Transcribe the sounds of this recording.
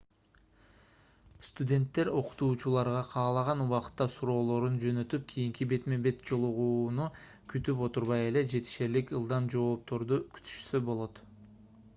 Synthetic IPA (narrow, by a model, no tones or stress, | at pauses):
st̪ud̪ʲe̞nt̪ːe̞ɾo̞qu̥t̪uːt͡ʃulˠɑɾʁɑqʰɑːlˠɑʁɑnuwɑqɯ̥t̪ːɑsuɾo̞ːlˠo̞ɾund͡ʒø̞nø̞t̪yp̚kʲʰijiŋkibe̞t̪me̞be̞t̪̚d͡ʒo̞lˠuʁuːnu | kʰyt̪ypo̞t̪uɾβɑje̞le̞d͡ʒe̞t̪i̥ʃe̞ɾlikɯlˠd̪ɑmd͡ʒo̞ːp̚t̪o̞ɾd̪ukʲʰy̥t̪ʰy̥ʃsø̞bo̞lˠo̞t̪